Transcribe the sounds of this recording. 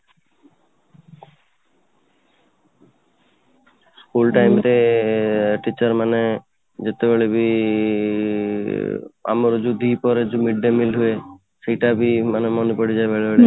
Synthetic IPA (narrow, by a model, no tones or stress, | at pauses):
skulʈajmt̪e | ʈit͡ɕɔɾmane | d͡ʒet̪ebeɭebi | a̰mɔɾd͡ʒud̪ʱipɔɾed͡ʒumiɖːemilɦue | ʃejʈabimanemɔnepɔɽid͡ʑaebeɭebeɭe